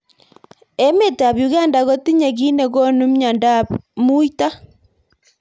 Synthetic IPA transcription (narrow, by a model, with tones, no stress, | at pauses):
e˦me˦˨ta˨βju˨ɣa˦nda˨ɣo˦ti˦ɲe˨ɣi˦ne˨ɣɔ˦nu˦mɲa˨nda˦pmu˦i˦ta˦